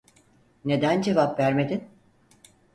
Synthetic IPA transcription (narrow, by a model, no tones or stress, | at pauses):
ne̞d̪ænd͡ʒe̞vapvæɾme̞d̪in